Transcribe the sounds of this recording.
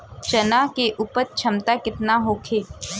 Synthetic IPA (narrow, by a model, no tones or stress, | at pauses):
t͡ʃɐnaːkeʔʊpət̪̚t͡ʃʰɐmt̪akɪt̪naɦoːkʰeː